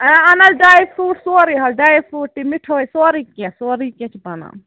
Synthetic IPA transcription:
ɛ̃ɐnɐlɖaːjpʰɾuːʈsoːɾiɦɐlɖaːjpʰuːʈʈːimiʈʰoːisoɾikẽsoːɾikẽt͡ʃʰbɐna̰ː

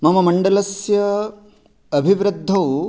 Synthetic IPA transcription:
mɐmɐmɐɳɖɐlɐsjɐː | bʱiʋɾɨd̪ʱːɐw

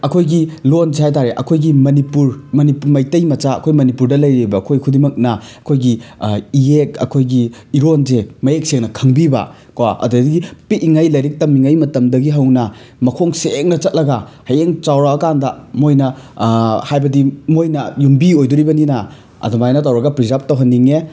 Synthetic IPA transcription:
ɐkʰojɡilonzeɦhajt̬aɾeʔɐkʰojɡimɐnipuɾmɐnipmɐjtɐjmɐt͡ʃaɐ̰kʰojmɐnipuɾdɐlɐjɾibɐːkʰojkʰudimɐk̚nɐɐkʰojɡiijekɐ̰kʰojɡiiɾonzemɐek̚seŋnɐkʰɐŋbibɐ̰ | kwaʔɐ̰dudiɡipiiŋajlɐjɾik̚tɐmiŋɐjmɐtɐmdɐɡiɦɐwnɐ | mɐkʰoŋseŋnɐt͡ʃɐt̚lɐɡɐhɐjeŋt͡ʃawɾaːkandɐmojnɐ | hajbɐdimojnɐjumbiojduɾibɐninɐ | ɐ̰dumajnɐt̬ɐwɾɐɡɐpɾizap̚tɐwɦɐnːiŋe

